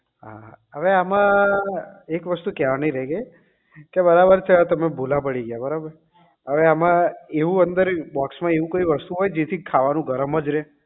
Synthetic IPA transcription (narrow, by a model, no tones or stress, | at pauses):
ɦa̰əʋeamã | ekʋəst̪ukjaʋnəiɾɛɦɡəj | kebəɾabəɾt͡ʃʰet̪əmebʱolãpəɽiɡjabəɾabəɾ | əʋeamãeʋũənd̪əɾbɔksmãeʋũkəiʋəst̪uɦojd͡ʒet̪ʰikʰaʋanũɡʱəɾəməd͡ʒɾe